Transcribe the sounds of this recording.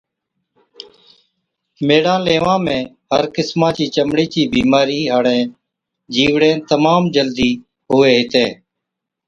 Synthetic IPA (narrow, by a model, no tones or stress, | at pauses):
meːɽãːleːʋãːmẽː | ɦəɾkɪsmãːt͡ʃiːt͡ʃəmɽiːt͡ʃiːbiːmaːɾiːɦaːɽẽː | d͡ʒiːʋɽẽːt̪əmaːmd͡ʒəld̪iː | ɦʊːeːɦɪt̪ẽː